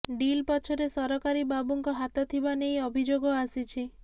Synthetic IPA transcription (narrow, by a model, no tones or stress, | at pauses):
ɖilpɔt͡ʃʰɔɾesɔɾɔkaɾibabuŋkɔɦat̪ɔt̪ʰibanejɔbʱid͡ʒoɡɔasit͡ʃʰi